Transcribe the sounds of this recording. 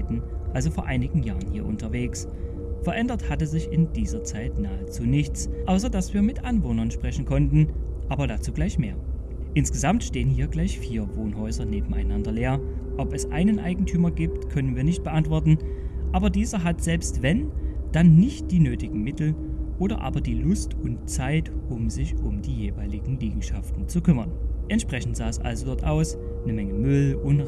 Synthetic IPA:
tn̩ʔalzofoːɐʔaɪnɪɡŋ̩ja̰ːʁənhiːɐʔʊ̰ntɐveːks | fɛɐʔɛndɐthatəzɪçɪnd̥iːzɐt͡saɪtnaːət͡suːnɪçt͡sʔaʊs̬ɐdasv̥iːɐmɪtʔanvoːnɐnʃpʁ̥ɛçn̩kʰɔntn̩ʔaːbɐɾaːt͡suːɡlaɪçmeːɐ | ʔɪnsɡ̥əzamtʃteːənhiːɐɡlaɪçfiːɐvoːnɦɔʏzɐneːbm̩a̰ɪnandɐleːɐʔɔpɛsʔa̰ɪnənʔa̰ɪɡŋ̩tʰyːmɐɡiːp̚tkʰœnənviːɐnɪçt̚b̥əʔantv̥ɔɐtn̩ʔaːbɐdiːzɐɦatz̥ɛlpstv̥ɛnd̥anːɪçt̚d̥iːnøːtɪɡŋ̩mɪtl̩ʔoːɾɐ̰ʔa̰ːbɐdiːlʊstʊntt͡saɪtʔʊmzɪçʔʊmd̥iːjeːvaɪlɪɡŋ̩liːɡŋ̩ʃaftn̩t͡sukʰʏmɐnʔɛntʃpʁ̥ɛçn̩tz̥aːɛsʔa̰lzodɔɐtʔa̰ʊs | nəmɛŋəmʏlʊn

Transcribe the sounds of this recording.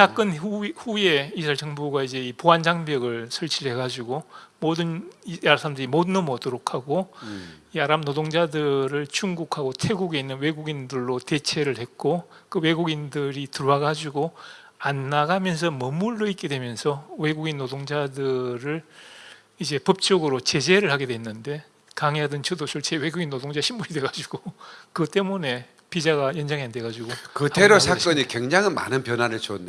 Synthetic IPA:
tak͈ɯnɸuje̞isʰaɭt͡ɕʌŋbuɡaid͡ʑe̞ipoɦand͡ʑaŋbjʌɡɯɭsʰʌɭt͡ɕʰiɭhe̞ɡad͡ʑuɡomodɯnasʰaɾamdeɾimodɯnomʌdɯɾokʰaɡo | iaɾamnodoŋd͡ʑadɯɾɯɭt͡ɕʰuŋɡukʰaɡotʰe̞ɡuɡe̞inːɯnwe̞ɡuɡindɯɭːote̞t͡ɕʰe̞ɾɯɭhe̞k͈okɯwe̞ɡuɡindɯɾitɯɾwaɡad͡ʑuɡo | anːaɡamjʌns̬ʰʌmʌmːuɭːoit̚k͈e̞dwe̞mjʌnsʰʌwe̞ɡuɡinːodoŋd͡ʑadɯɾɯɭ | id͡ʑe̞pʌp̚t͡ɕ͈ʌɡɯɾot͡ɕe̞d͡ʑe̞ɾɯɭhaɡe̞dwe̞nːɯnde̞ | kaŋeɦadɯnt͡ɕʰɯdosʰʌɭt͡ɕʰewe̞ɡuɡinːodoŋd͡ʑaɕʰimːuɾidwe̞ɡad͡ʑiɡokɯt͈e̞mune̞ | pid͡ʑaɡajʌnd͡ʑaŋiande̞ɡad͡ʑuɡokɯtʰeɾosʰak͈ʌɲikweŋd͡ʑaŋɯnma̰nɯnpjʌnɦanɯɭt͡ɕonde

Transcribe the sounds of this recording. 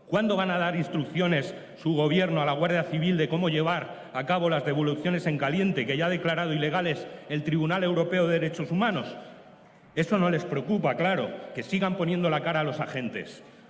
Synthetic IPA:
kwand̪o̞βanað̞aɾinst̪ɾukθjo̞ne̞sː | uɣ̞o̞β̞je̞ɾnoalaɣ̞waɾð̞jaθiβ̞ild̪e̞ko̞mo̞ʝe̞β̞aɾ | akaβ̞o̞lazðe̞βo̞luθjo̞ne̞se̞ŋkalje̞nt̪e̞keʝað̞e̞klaɾað̞o̞ile̞ɣ̞ale̞se̞lt̪ɾiβunale̞wɾo̞pe̞oðeeɾe̞t͡ʃo̞sumãno̞s | e̞so̞no̞le̞spɾe̞okupaklaɾo̞̰ke̞siɣampo̞nje̞nd̪o̞lakaɾaːlo̞saxẽ̞nt̪e̞̰s

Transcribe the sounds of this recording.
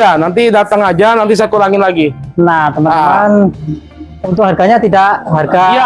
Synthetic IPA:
anant̪̬idat̪əŋad͡ʒanant̪is̬ajakuɾaŋɪnlaɡinat̪əməan | unt̪ʊk̚ɦarɡaɲat̪idaʔɦarɡa

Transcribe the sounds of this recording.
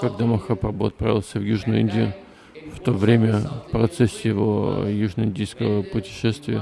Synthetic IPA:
kɐɡ̚d̪amɐxapɐbuɐt̪̚pɾa̰vʲɪlˠsʲəvjuʐnʊinʲdʲɪjʊ | ft̪ovɾʲemʲəpɾɐt̪sɛsʲjɪvo̰juʐnəɪnʲdʲijskəvəpʊtʲɪ̥ʂɛst̪vʲɪə

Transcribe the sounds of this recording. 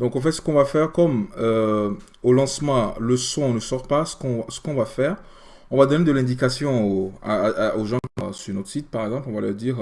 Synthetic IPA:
d̪ɔ̃kɑ̃fɛt̪sə̥kɔ̃vafɛʁkɔmø | olɑ̃smɑ̃ləsɔ̃ɔ̃nəsɔʁpasə̥kɔ̃vasə̥kɔ̃vafɛːʁ | ɔ̃vad̪ɔned̪əlɛ̃d̪ikasjɔ̃oaoʒɑ̰̃syʁnot̪χəsit̪̚paʁɛɡzɑ̃plɔ̃valœ̰ʁd̪iːʁ

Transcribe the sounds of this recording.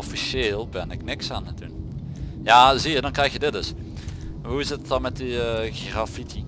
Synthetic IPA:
ɔfiseːlˠbɛnɪknɪksaːnədṵn | jaːziədɔnkrɛjxjədɪt̚dɵs | ɦuɪsətdɑnmɛt̚iəɣrafiti

